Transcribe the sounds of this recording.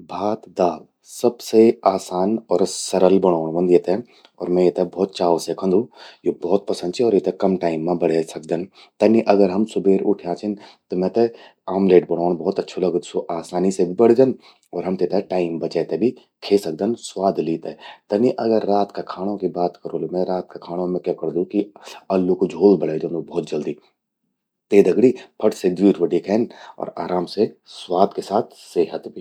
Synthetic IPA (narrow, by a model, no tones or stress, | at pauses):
bʱaːt̪d̪aːl | sɐbseaːsaːnɔːɾsɐɾəlbɐɽ̃aːɳ̃bɐ̃nd̪jet̪ẽ | ɔ̰ːɾmɛ̃jet̪ẽbɔːt̪̚t͡ʃaːʋosekʰə̃nd̪ũjobɔːt̪̚pɐsə̃nd̪t͡ʃʰiɔːɾjet̪ekɐmʈaːɪmːẽbɐɽ̤esɐk̚d̪ən | t̪ɐnːiʔɐɡəɾɦɐmsʊbeːɾʊ̰ʈʰjãt͡ʃʰɪnt̪omɛ̃t̪e | aːmleːʈbɐɽ̃oːɳ̃bɔːt̪ɐtːʃʰolɐɡət̪soʔaːsaːnisebʱibɐɽ̤d͡ʒən | ɔːɾɦɐmt̪et̪eʈaːɪmbɐt͡ʃɛːt̪ebʱi | kʰeːsɐk̚d̪ənswaːd̪ʱliːt̪et̪ɐniʔɐɡəɾːaːt̪kakʰaːɽ̃õkibaːt̪kɐɾolemɛ̃ɾaːt̪̚kakʰaːɽ̃õmẽkjakɐɾd̪ũkiɐlːukod͡ʒʱoːlbɐɽeːd͡ʒɐ̃nubɔːt̪̚d͡ʒɐld̪iː | t̪eːd̪ɐɡɽipʰɐʈsed̪ʋiːʈʋɐɖikʰɛːnɔ̰ːɾa̰ːɾaːmseswaːd̪kesaːt̪ʰseːɦət̪bʱi